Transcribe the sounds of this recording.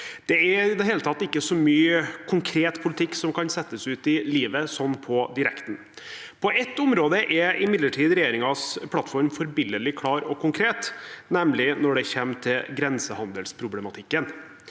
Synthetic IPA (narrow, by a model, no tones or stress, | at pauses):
d̪̥ɛɛɪd̪ɛɦeːlət̪ʰɑt̪ːɪkːəsɔmyːəkʰʊŋkʰɾeːt̪pʰʊlɪt̪ʰɪkːsɔmkʰɑnsɛt̪ːəsʉːt̪ɪliːʋəsɔnːpʰɔd̪ɪɾɛ̰kt̪n̩ | pʰɔɛt̪ːʊmɾoːd̪əʔɛʔɪmɪd̪ləʈʰiːd̪ɾɛjeːɾɪŋɑspʰlɑt̪ːfɔɾmfɔɾbɪlːəlɪkʰlɑːɾɔkʰʊŋkʰɾeːt̪nɛmlɪnɔɖɛçeːmt̪ʰɪlɡɾɛnsəhɑnd̪əlspʰɾʊblɛmɑt̪ʰɪkːən